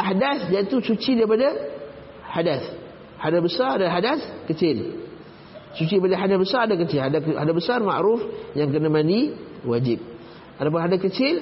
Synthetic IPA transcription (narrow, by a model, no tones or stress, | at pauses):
ʔahdaθjait̪usut͡ʃidaipada | hadaθ | hadasbəsaɾadalɦadaθkət͡ʃɪl | sut͡ʃiipadaɦadabəsaɾadak̬ət͡ʃɪlhadahadabəsarma̰ʔɾufjaŋkənamãndiwad͡ʒɪp̚ | ʔat̪ap̬ʊnɦadaθkət͡ʃɪl